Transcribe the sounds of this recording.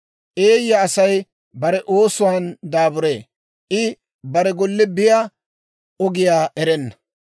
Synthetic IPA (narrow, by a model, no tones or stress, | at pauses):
ʔeːjːɐɐsɐj | bɐɾɛʔo̞ːsʊwaːnd̪aːbʊɾeː | ʔɪ | bɐɾɛɡɔlːɪbɪja | ɔɡɪjaːʔɛɾɛnːɐ̥